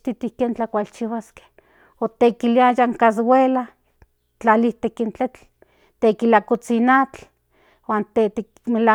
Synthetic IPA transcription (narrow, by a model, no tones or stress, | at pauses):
t̪it̪ihkeːnt͡ɬakʷalt͡ʃiwaske̥ | ot̪ekiliajaŋkas̬wela | t͡ɬaliht̪ekint͡ɬet͡ɬ | t̪ekilakot͡sinat͡ɬ | waːnt̪et̪e | mela